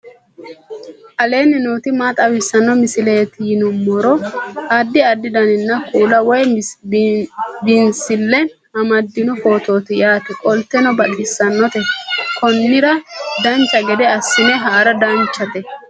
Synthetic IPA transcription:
ʔɐle̞ːnɪnuːt̪ɪmaːt̪ʼɐwɪsːɐnːɔmɪsɪleːt̪ɪjɪnʊmːɔɾɔhad̪ːɪɐd̪ːɪd̪ɐnɪnːɐkʼuːlɐwɔj | bɪnsɪlːɛ | ʔɐmɐd̪ːɪnɔfo̞ːt̪o̞ːt̪ɪjaːt̪ɪkʼɔlt̪ːɛnɔbɐt̪ʼɪsːɐnːɔt̪ɛkʰɔnːɪɾɐd̪ɐnt͡ʃːɐɡɛd̪ɛɐsːɪnɛɦaːɾɐd̪ɐnt͡ʃːɐt̪ɛ

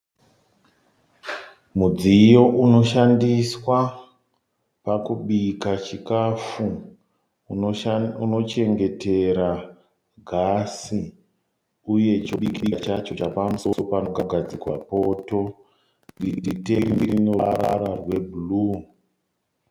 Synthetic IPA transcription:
mud͡zijo̞ʔuno̞ʃandiswa | pakuɓikat͡ʃikafu | uno̞t͡ʃe̞ŋɡe̞te̞ɾa | ɡʱasi | uje̞t͡ʃoɓikit͡ʃat͡ʃo̞t͡ʃapamusoopanokaɡʱad͡zikwa̰po̞to̞ | ɡiditeiiɾino̰ɾa̰ɾarwe̞bulu

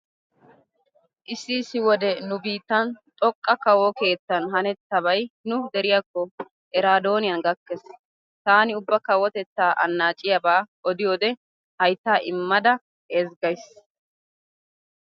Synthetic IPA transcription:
ʔɪsːisːɪwɔd̪ɛnʊbiːt̪ːɐnt̪ʼɔkʼːɐkɐwɔke̞ːt͡s̪ːɐnɦɐnɛt̪ːɐbɐjnʊd̪ɛɾɪjakːɔ | ʔɛɾaːd̪o̞ːnɪjɐnɡɐkːɛs | t̪aːnɪʊbːɐkɐwːɔt̪ɛt͡sːaːʔɐ̰nːaːt͡ʃʼɪjɐbaː | ɔd̪ɪjoːd̪ɛ | hɐjt̪ːaːʔɪmːɐd̪ɐ | eːzɡɐjs

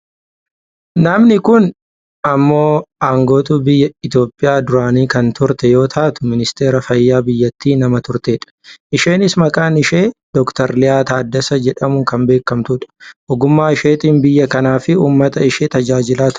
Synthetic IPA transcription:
nɐmnɪkʊn | ɐmːo̞ːaːŋɡo̞ːt̪uːbɪjːɐɪt̪jo̞ːpʼːɪjaːd̪ʊɾaːniːkɐnt̪ʊɾt̪ɛjo̞ːt̪ʰaːt̪ʊ̥mɪnɪst̪e̞ːɾɐfɐjːaːbɪjːɐt̪ːiːnɐmɐt̪ʊɾt̪eːᶑɐ̥ʔɪʃe̞ːnɪsmɐkʼaːnɪʃe̞ːd̪̥ɔkt̪ɐɾlɪjaːt̪aːd̪ːɐsɐd͡ʒɛᶑɐmʊŋkɐmbe̞ːkːɐmt̪ʊᶑɐ̥ʔɔɡʊmːaːɪʃeːt̪ʼiːnbɪjːɐkɐnaːfɪuːmːɐt̪ɐɪʃeːt̪ɐd͡ʒaːd͡ʒɪlaːt̪

